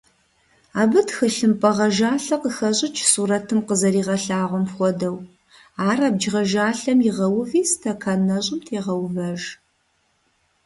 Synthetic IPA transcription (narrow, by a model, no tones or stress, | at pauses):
aːbɨtxɨɬɨmpʼɐʁɐʒaːɬɐqəxɐɕʼɪt͡ʃʰsuːɾɐtʰɨmqəzɐɾiːʁɐɬaːʁʷɔmxʷɔdɐw | aːrab̚d͡ʒʁɐʒaːɬɐmjɪʁɐwʊviːstʰɐkʰanɐɕʼɪmtʰeːʁɐwvɐʒ